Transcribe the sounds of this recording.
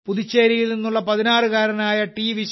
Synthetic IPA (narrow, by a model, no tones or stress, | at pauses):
puðit͡ɕːeːɾijilninːuɭːɐpɐðinaːrɨɣaːɾɐnaːjɐʈiːʋiɕ